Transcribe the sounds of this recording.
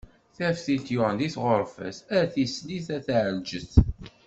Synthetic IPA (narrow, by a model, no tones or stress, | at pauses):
θæfθilt̪jʊʁənd̪iθʁoɾˤfə̰sæθisliθæθʕəld͡ʒəθ